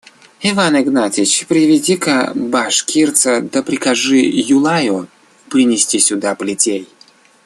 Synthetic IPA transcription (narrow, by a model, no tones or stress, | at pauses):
ivanɪɡnatʲɪt͡ɕpɾʲɪvʲɪdʲikəbaʂkʲʰirt̪sɐd̪ɐpɾʲɪkaʐɨjʊlˠajʊ | pɾʲɪnʲɪsʲtʲisʲʊd̪apəlʲɪtʲej